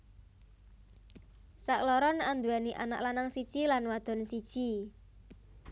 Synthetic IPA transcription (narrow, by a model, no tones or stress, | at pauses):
saklɔɾɔnand̪uaniʔa̰na̰ʔlanaŋsi̥ʒ̥ilanwad̪̥ɔ̤nsid̥ʒ̥i